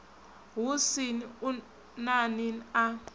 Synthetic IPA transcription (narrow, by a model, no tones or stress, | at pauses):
ɦusiniu | nanina